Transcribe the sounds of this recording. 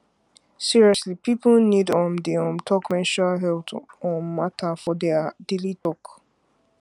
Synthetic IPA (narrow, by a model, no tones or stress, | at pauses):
siɹiɔslipiplnidɔ̃mdiɔ̃mtʰɔkmɛ̃nʃaɦɛltɔ̃mmatʰafɔdɛadilitɔk